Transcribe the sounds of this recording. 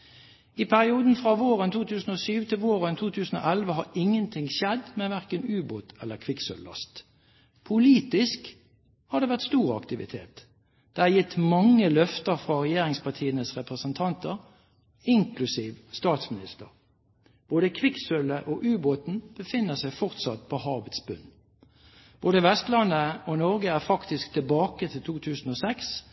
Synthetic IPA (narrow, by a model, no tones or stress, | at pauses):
ɪpʰæʁɪuːd̪n̩fʁɑʋoːʁənt̪ʰuːt̪ʰʉːsn̩oːsyːʋt̪ʰɪlʋoːʁənt̪ʰuːt̪ʰʉːsn̩o̰ːʔɛlʋəhɑɾɪŋːənt̪ʰɪŋʃɛd̪mɛʋæʁkənʉːboːt̪ɛlːəkʰʋɪksœ̰lːɑ̰st̪ | pʰʊliːt̪ɪsk | hɑd̪ɛːʋæʁt̪st̪uːʁɑ̰kt̪ɪʋɪ̰t̪ʰḛːt̪ | d̪̥ɛæjɪt̪ːmɑŋːəlœft̪əɾfʁɑʁɛjeːɾɪŋspɑt̪ʰiːənəsʁɛpʁəsənt̪ʰɑnt̪əʁ | ɪŋkʰlʉsiːʋst̪ɑːt̪smɪnɪst̪əʁ | b̥oːd̪əkʰʋɪksœləʔoʔʉːboːt̪n̩b̥əfɪnːəʁsæɪfɔʁt̪sɑt̪pʰɔhɑːʋət̪sbʉ̰n | b̥oːd̪əʋɛst̪lɑnːəonɔʁɡəæʁfɑkt̪ɪskt̪ʰɪlbɑːkət̪ʰɪlt̪ʰuːt̪ʰʉːsn̩ɔsɛks